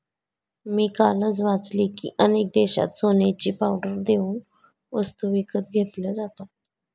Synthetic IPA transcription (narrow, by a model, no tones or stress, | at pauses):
miːkalət͡sʋat͡slikḭːʔənek̚d̪eɕa̰t̪sonet͡ɕiːpawɖəɾd̪euːn | ʋəst̪uʋikət̪ɡʱet̪ləd͡zat̪a